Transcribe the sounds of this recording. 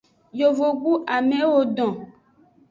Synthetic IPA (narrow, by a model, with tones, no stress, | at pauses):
jo˨vo˨ɡ͡bu˦ʔa˨mẽ˨˦wo˨ɖɔ̃˨